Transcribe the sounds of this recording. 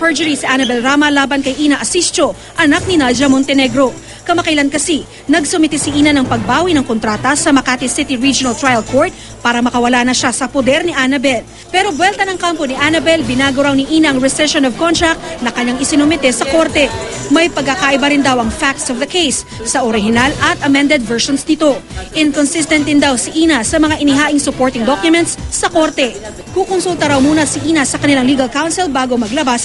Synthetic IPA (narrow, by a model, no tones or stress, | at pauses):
pɛɹd͡ʒʊɾisiʔanɐbɛlɾaːmɐlaːbɐnkɐjʔiːnɐʔɐsist͡ʃo̞ | ʔɐnak̚nɪnad͡ʒɐmont̪ɛnɛɡɾo̞ | kɐmakɐjlankɐsi | nɐɡsʊmɪt̪ɛsiʔiːnɐnɐŋpɐɡ̚baːwinɐŋkont̪ɾaːt̪ɐsɐmɐkat̪ɪsit̪iɹid͡ʒʊnɐlt̪ɾajɐlkʰoɹt̪̚ | paːɾɐmɐkɐwɐlaːnɐʃasɐpod̪ɛɾniʔanɐbɛl | pɛɾo̞bwɛlt̪ɐnɐŋkamponiʔanɐbɛlbɪnaːɡɐwɾawniʔiːnɐʔɐŋɹɛsɛʃonovkont̪ɾɐk̚t̪̚nɐkɐɲaŋɪsɪnʊmɛt̪ɛsɐko̞ɾt̪ɛ | mɐjpɐɡ̚kːakaʔɪbɐɾɪnd̪ɐwʔɐŋfak̚t̪sɔvd̪ɐkejsː | ɐʔoɾɪɦɪnalɐt̪ʔɐmɛnd̪ɛd̪̚vɛɹʃɔnsd̪ɪt̪o̞ʔɪnkɔnsɪst̪ɛnt̪ɪnd̪awsiʔiːnɐsɐmɐŋaʔɪnɪɦaːʔɪŋsʊpoɹt̪ɪŋd̪okjʊmɛnt̪ssɐko̞ɾt̪ɛ | kukonsult̪ɐɾɐwmuːnɐsiʔiːnɐsɐkɐnɪlaŋliːɡɐlkawnsɪlbaːɡo̞mɐɡlɐbas